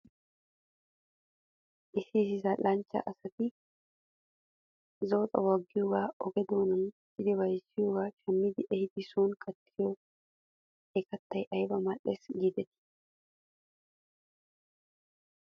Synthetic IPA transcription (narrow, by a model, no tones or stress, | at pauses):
ʔɪsɪsɪsɐlɐnt͡ʃːɐ̰ʔɐsɐt̪ɪ | zoːt̪ʼɐ̰wɐɡːɪjoːɡaːɔɡɛd̪oːnɐn | t͡ʃːɪd̪ɪbɐjsːɪjoːɡaːʃɐmːɪd̪ɪʔɛhɪd̪ɪsuːnkʼɐt̪ʰːɪjo | ɛkɐt̪ːɐjʔɐjbɐmɐʔːesɡiːd̪ɛt̪ɪ̥